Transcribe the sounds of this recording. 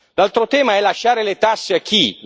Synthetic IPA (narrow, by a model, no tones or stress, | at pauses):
lalt̪ɾot̪ɛːmaɛlːaʃːaːɾelet̪asːeakːi